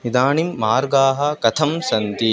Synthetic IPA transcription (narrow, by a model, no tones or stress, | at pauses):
nid̪aːɳimːaːɾɡaːɦɐ̆kɐt̪ʰɐmsɐnt̪i